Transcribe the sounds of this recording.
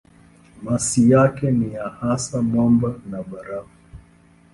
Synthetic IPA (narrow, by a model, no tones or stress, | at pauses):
masijakɛnijahasamɔmbanaɓaɾavu